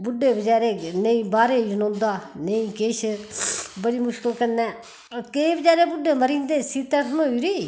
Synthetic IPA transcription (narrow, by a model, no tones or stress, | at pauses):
bʊɖːeːbəd͡ʒaːɾeːnəĩːbaːɾeːd͡ʒʊnõːnd̪aːnəĩːkeːʃ | bəɽiːmʊʃkəlkənɛː | keːbəd͡ʒaːɾeːbʊɖːeːməɾĩːnd̪eːsiːt̪ːɛːsʰmoiːɾiː